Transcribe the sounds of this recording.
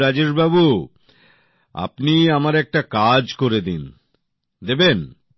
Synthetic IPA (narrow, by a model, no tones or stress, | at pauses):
ɾad͡ʑeɾbabu | a̰pniamaɾɛk̚ʈakad͡ʑkoɾed̪in | d̪eben